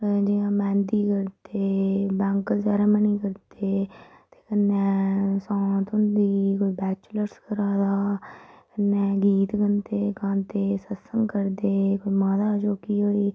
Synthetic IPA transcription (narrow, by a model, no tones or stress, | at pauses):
d͡ʒɪjãːmɛ̃ːnd̪iːkəɾd̪eːbɛ̃ːŋkəzaːɾaːməniːkəɾd̪eːt̪eːkənːeːsãːt̪ʊnd̪iːkʊibɛːt͡ʃləɾskəɾaːd̪aːkənːeːɡiːt̪ɡənd̪eːkãːnt̪eːsəsəŋkəɾd̪eːkʊimãːd̪aːt͡ʃoːkiːɦoːiː